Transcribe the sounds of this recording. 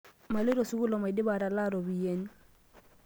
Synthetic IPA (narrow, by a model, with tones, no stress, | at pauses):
ma˨le˦ɾo˨su˦ku˦lɔ˨ma˨i˨dɪ˦ba˨ɾa˨la˦ɾo˨bi˨je˦n˦